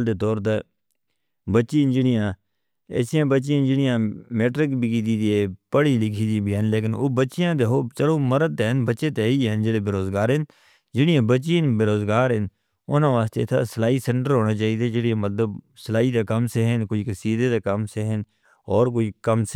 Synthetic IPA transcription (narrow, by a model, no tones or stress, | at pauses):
ld̪eːt̪ɔːɾt̪eː | bətːʃiːnd͡ʒɪɽɪjãː | ɛ̰ːsijãːbətːt͡ʃɪjãːd͡ʒɪɽɪjãːmeːʈɾɪkbiːkiːd̪iːd̪ieːpəɽiːlɪkʰiːd̪ibʱiɦɛnleːk̬ɪno̰ːbəːʃɪjãːd̪eːɦoːt͡ʃəloːməɾəd̪̚t̪eɦnbətːʃeːt̪eiːɦɛnd͡ʒeːɽeːbeːɾoːzɡaːɾɦən | d͡ʒɪɽɪjãːbət͡ʃiːɦnbeːɾoːzɡaːɾɦɪn | ʊnãːʋaːst̪ḛːt̪ʰa̰səlaːisɛ̃ɳʈəɾɦoːnaːt͡ʃaːiːd̪eːd͡ʒeɽiãːmət̪ləbsəlaːiːd̪aːkəmseːɦɪnkoːiːksiːd̪eːd̪aːkəmseːɦɪn | ɔːɾk̬oːiːkəms